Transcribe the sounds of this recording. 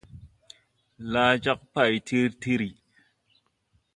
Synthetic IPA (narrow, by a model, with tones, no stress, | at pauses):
laː˦d͡ʒa˦k̚pa˦˨jtʰi˦ɾti˦ɾi˨